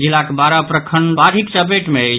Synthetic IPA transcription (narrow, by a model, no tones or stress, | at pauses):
d͡ʒilakebaɾapɾəkʰəɳbaɾʱikt͡ʃəpeʈmeə